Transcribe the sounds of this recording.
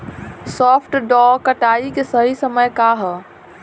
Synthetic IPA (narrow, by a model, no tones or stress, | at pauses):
sɔːpʰʈɖɔːkəʈaːikesəɦisəməjkaːɦ